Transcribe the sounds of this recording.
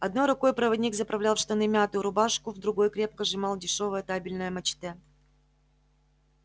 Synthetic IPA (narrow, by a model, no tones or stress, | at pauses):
ɐd̪nojɾʊko̞jpɾəvɐdʲnʲikzəpɾɐvlʲalˠfʂt̪ɐnɨmʲat̪ʊɾʊbaʂkʊvd̪ɾʊɡo̞jkɾʲe̞p̚kəʐɨmɑlˠdʲɪʂo̞vəjət̪abʲɪlʲnəjəmɐt͡ɕt̪ɛ